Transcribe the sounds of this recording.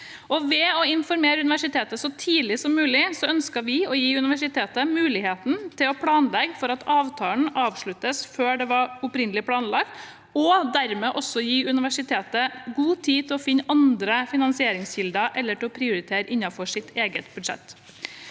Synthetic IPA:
ʔɔʋɛɔɪnfɔɾmeːɾʉnɪʋæʂɪt̪ʰeːt̪əsɔt̪ʰiːlɪsɔmːʉːlɪsɔœnskəʋɪɔjiːʉnɪʋæʂɪt̪ʰeːt̪əmʉːlɪɦeːt̪n̩t̪ʰɪlɔpʰɽɑːnlɛɡfɔɾɑt̪ʰɑːʋt̪ʰɑːən̩ɑːʋʂɭʉt̪ːəsføːɖɛʋɑɾʊpɾɪnːəlɪpʰɽɑːnlɑɡ̚ | ɔd̪æɾmɛːʔɔsɔjiːʉnɪʋæʂɪt̪ʰeːt̪əɡuːt̪ʰiːt̪ʰɪlɔfɪnːʔɑnd̪ɾəfɪnɑnsɪeːɾɪŋsçɪld̪əʔɛlːəʈʰɪlɔpʰɾɪʊɾɪt̪ʰeːɾəʔɪnːɑfɔʂɪt̪ʰeːɡət̪bʉd̪ʂɛ̰t̪ː

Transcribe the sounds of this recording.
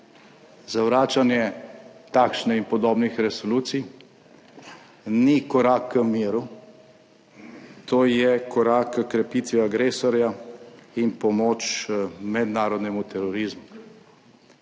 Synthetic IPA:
zawɾaːt͡ʃanjɛt̪aːkʃnɛinpɔd̪oːbnixɾɛsɔluːt̪sij | nikɔɾaːkːəmiːɾu | t̪oːjɛkɔɾakːəkɾɛpit̪ʋiaɡɾeːsɔɾjainpɔmoːt͡ʃmɛd̪naːɾɔd̪nɛmut̪ɛɾɔɾizmu

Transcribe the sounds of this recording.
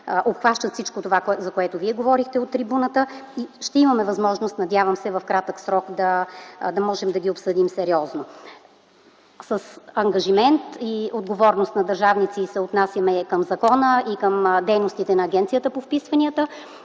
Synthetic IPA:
ʔopxvaʃt̪ət̪fsit͡ʃkot̪ovakzɐkoɛt̪oviɛɡovɔɾixt̪ɛot̪ːɾibunət̪əiʃt̪ɛimɐmɛvɐzmɔʒnost̪nɐd̪ʲjavəmsɛvɐfkɾat̪əksɾɔkd̪ɐd̪ɐmɔʒɛmd̪ɐɡʲiopsɤd̪imsɛɾiɔzno | səsɐŋɡɐʒimɛnt̪iod̪̚ɡovɔɾnost̪nɐd̪ɐɾʒavnit̪sisɛot̪nasjɐmɛkəmzɐkɔnəʔikəmd̪ɛjnost̪it̪ɛnɐːɡʲɛnt̪sijət̪əpofpisvɐniət̪ə

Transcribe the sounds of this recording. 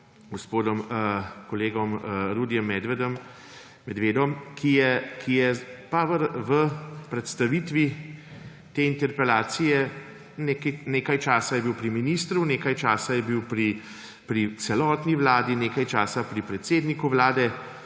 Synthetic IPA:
ɡospoːd̪ɔmkɔleːɡɔmɾud̪jɛmːɛd̪ʋɛd̪ɔm | mɛd̪ʋeːd̪ɔmkʰijɛkʰijɛpaʋəɾʋəpɾɛt̪st̪aʋit̪ʋi | t̪eːint̪ɛɾpɛlaːt̪sijɛ | nekineːkajt͡ʃaːsajɛbiwpɾiminiːst̪ɾuneːkajt͡ʃaːsajɛbiwpɾi | pɾit̪sɛlɔːt̪niʋlaːd̪ineːkajt͡ʃaːsapɾipɾɛt̪seːd̪nikuʋlaːd̪ɛ

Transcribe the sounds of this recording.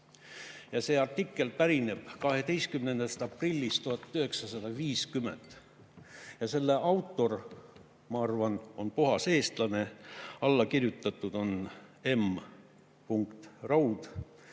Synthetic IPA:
jɑse̞ːɑrt̪ikːˑe̞lpæɾine̞b̥kɑɦe̞d̪e̞jst̪̚kymnend̪̥est̪ɑprilʲːist̪uhɑt̪ːˑyhe̞ksɑsɑd̪̥ɑviːskymḛnd̪̥ | jɑse̞lːeʔɑwt̪ːˑo̞r | mɑɑrvɑno̞npuɦɑse̞ːst̪lɑne̞ɑlːɑkirjut̪ːˑɑt̪ːˑud̪̥o̞ne̞m | puŋkt̪rɑwd̪̥

